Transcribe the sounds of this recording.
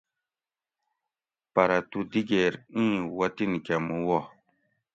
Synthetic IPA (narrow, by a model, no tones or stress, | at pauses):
paɾatudiɡɛɾĩwatinkamuwɔ